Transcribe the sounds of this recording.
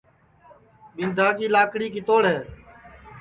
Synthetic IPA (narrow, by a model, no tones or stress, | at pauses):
ɓɪnd̪ʱaːkiːlaːkɽiːkɪt̪oːɽɦeː